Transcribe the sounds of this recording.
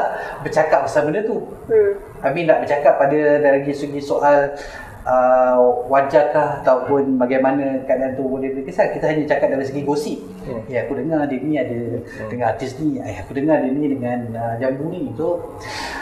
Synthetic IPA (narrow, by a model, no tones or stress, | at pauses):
aʔbət͡ʃakap̚bəsamənət̪u | aminaʔbət͡ʃakapːadədajlaɡisəɡisoʔal | əwad͡ʒaklahat̪aupʊnbaɡajmanə̃kadaant̪ubolidikəsalkit̪aɦaɲat͡ʃakat̚daɾis̬əɡiɡosiʔ | eakudəŋardəniadə | dəŋanart̪ɪsniakudəŋadənidəŋanəd͡ʒambunit̪u